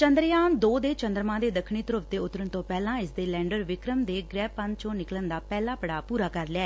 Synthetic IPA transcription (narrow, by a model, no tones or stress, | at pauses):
t͡ʃənd̪ɾjaːnd̪oːd̪eːt͡ʃənd̪ɾmãːd̪eːd̪əkʰɳiːt̪əɾəpt̪eːʊt̪ːɾəɳt̪õːpɛːlãːɪsd̪eːlɛ̃ːɳɖəɾʋɪkɾəmd̪eːɡɾɛːpən̚t͡ʃõːnɪklənd̪aːpɛːlaːpəɽaːpuːɾaːkəɾlɪɛː